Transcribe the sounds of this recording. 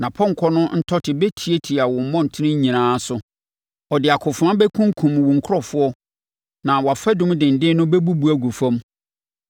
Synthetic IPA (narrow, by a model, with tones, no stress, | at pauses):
nã˨pʰɔ˦ŋ˨kʰɔ˦nʊ̃˦n̩˦tʰɔ˦tʰɪ˨bɛ˦tʰi˨e˦tʰi˨a˨wɔ̃˨m̩˨mɔ̃˦n̩˨tʰɪ˦nɪ̃˦ɲ˦ɲĩ˨nãː˦sʊ˦ | ɔ˨dɪ˨a˨kʰʊ˨fʊ˨ã˦bɛ˦kʰũ˦ŋ˦kʰũ˨m˨wʊ̃˨ŋ̩˨kʰʊ˦ɔ˦fʊ˦ɔ˦ | nã˨wɔ˨a˨fɛ˦dʊ̃˦mdɪ̃˨n̩˨dɪ̃˦nʊ̃˦bɛ˦bu˦bu˦æ˨ɡu˨fã˦m